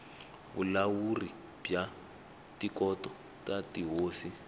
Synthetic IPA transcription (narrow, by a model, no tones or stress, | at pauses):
βṵlawuri | b̥ja | tikɔtɔ | tatiɦoːsi